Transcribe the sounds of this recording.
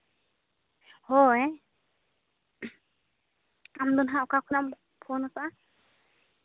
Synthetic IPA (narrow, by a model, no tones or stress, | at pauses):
hɔɛ | am̩dunɦaukakunam | pʰɔnɔsa